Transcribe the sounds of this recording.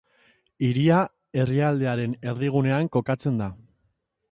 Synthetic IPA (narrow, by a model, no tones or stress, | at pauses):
iɾia | e̞riald̪e̞aɾe̞ne̞ɾðiɣ̞une̞aŋko̞kat͡se̞nd̪a